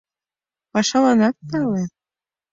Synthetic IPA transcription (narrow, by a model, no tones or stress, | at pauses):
pɑʃɑlˠɑnɑt̪̚t̪ɑle